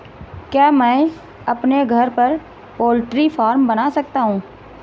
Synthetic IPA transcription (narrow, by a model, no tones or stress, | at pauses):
kjaːmɛ̃ː | ɐpneɡʱɐɾpɐɾ | poːlʈɾifaːɾmbɐnasɐk̚t̪aɦũː